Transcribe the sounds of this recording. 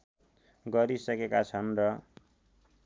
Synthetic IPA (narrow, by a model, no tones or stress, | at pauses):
ɡʌɾisʌkekat͡sʰʌnrʌ